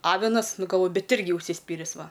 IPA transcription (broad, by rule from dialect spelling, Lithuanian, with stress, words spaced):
ˈɑːʋʲɪnɐs ˈnʊ ɡɐlˠˈʋoːjʊ ˈbʲɛt ˈɪrʲɡʲɪ ʊʃʲsʲɪˈsʲpʲiːrʲɪs ˈʋɐ